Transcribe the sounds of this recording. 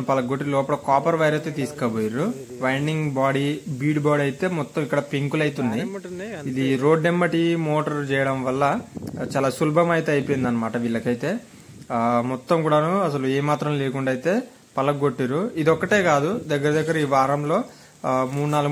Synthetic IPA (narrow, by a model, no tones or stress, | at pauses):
pɐlɐɡoʈːilɔːpɐɽɐkaːpɐɾʋɐjɾɐt̪et̪iːsu̥kɐboːjiɾu | ʋɐjnɖiŋɡbaːɽibiːɖbaːɽɐjit̪e̞ːmɔt̪ːɐmikːɐɽɐpiŋkulɐjt̪unːɐid̪iɾo̞ːɖːemːɐʈimoːʈɐɾt͡ʃɛːjɐɽɐmʋɐlːɐt͡ʃaːlaːsulbʱɐmɐjt̪e̞ːɐjpoːjnd̪ɐnːɐmaːʈɐʋilːɐkɐjit̪e̞ː | mɔt̪ːɐmkuːɽaːnuɐsɐlueːmaːt̪ɾɐmleːkuɳɖaːjit̪e̞ː | pɐlɐɡoʈːiɾuid̪ɔkːɐʈe̞ːkaːd̪ud̪ɐɡːɐɾɐd̪ɐɡːɐɾɐiːʋaːɾɐmlo̞ː | muːɽunaːluɡ